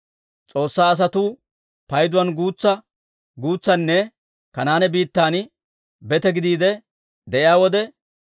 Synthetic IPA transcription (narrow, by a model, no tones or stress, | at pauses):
t͡sʼo̞ːsːaːɐs̬ɐt̪uː | pɐjd̪ʊwɐnɡuːt͡sːɐ | ɡuːt͡sːɐnːɛ | kɐnaːnɛbiːt̪ːaːn | bɛt̪ɛɡɪd̪iːd̪ɛ | d̪ɛʔɪjaːwɔd̪ɛ